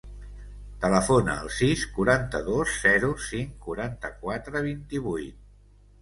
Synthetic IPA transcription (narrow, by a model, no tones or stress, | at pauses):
t̪ələfonə̰ə̰lˠsiskuɾant̪əðosz̥ɛɾusiŋkuɾant̪əkwat̪ɾəβ̞int̪iβujt̪̚